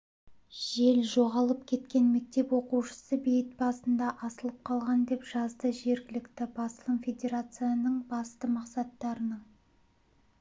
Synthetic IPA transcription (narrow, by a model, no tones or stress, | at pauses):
ʒ̥e̞lʒo̞ʁɑlˠəp̚kʲʰe̞t̪kʲe̞nme̞k̚t̪e̞pwo̞quwʃə̥səbejɪt̪̚bɑsənd̪ɑʔɑsəlˠəp̚qʰɑlˠʁɑnd̪e̞pʒ̥ɑzd̪əʒe̞ɾɡʲɪlɪkt̪ɪbɑsəlˠəmfʲe̞d̪ʲe̞ɾat̪sɨjanəɴbɑst̪əmɑqsɑt̪ːɑɾənəɴ